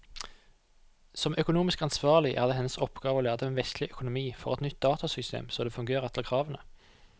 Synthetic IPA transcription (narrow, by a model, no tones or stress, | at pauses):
sɔmʔœkʊnuːmɪskɑnsʋɑːʁlɪʔæ̰ːʁd̪eːhɛnːəsɔpɡ̥ɑːʋəoːlæːʁd̪əeːnʋɛst̪ʰlɪʔœkʊnʊmiːfɔʁɛt̪nʏt̪̚d̪ɑːt̪ʰɑsʏst̪ʰḛːmsoːd̪eːfʉŋɡeːʁɛt̪əkʰʁɑːʋənə